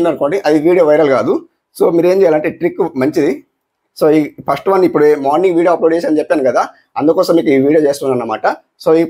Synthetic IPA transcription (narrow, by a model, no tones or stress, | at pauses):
und̪ɐnuko̞ːɳɖiʔɐd̪iʋiːɽijoːʋɐjɾɐlkaːd̪u | soːmiːɾe̞ːmt͡ʃɛːjaːlɐɳʈeːʈɾikːmɐɲt͡ʃid̪i | soːiːpʰɐsʈʋɐnːipːuɽeːmaːɾniŋɡʋiːɽioːploɖeːʃɐnt͡ʃɛp̚t̪aːnkɐd̪aː | ɐnd̪ukɔːsɐmːiːkuiːʋiːɽijoːt͡ʃeːst̪unːɐnːɐma̰ːʈɐ | so̞ːi